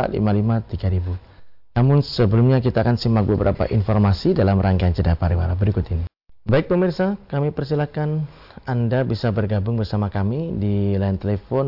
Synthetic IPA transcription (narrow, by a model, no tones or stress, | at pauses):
lḭmalimat̪iɡaɾibu | namʊnsəbəlumɲak̬it̪aːkansimbak̚bəbəɾʔa̰pa̰ʔinfɔrmasidalamraŋɡaant͡ʃədapaɾiwa̰ɾabəɾikʊt̪ini | baɪk̚pəmirsakamipərsilakan | andabisabərɡabʊŋbərsamakamidilaɪnt̪elefɔn